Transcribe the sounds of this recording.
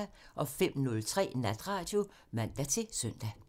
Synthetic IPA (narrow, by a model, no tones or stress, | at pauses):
æʔɒ̽fem̰nɔ̽lt͡sʰʁɛ̰ːnæd̥ʁɑ̈ːd̥jo̝ | ʋæn̰d̥æt͡sʰe̝sœn̰d̥æ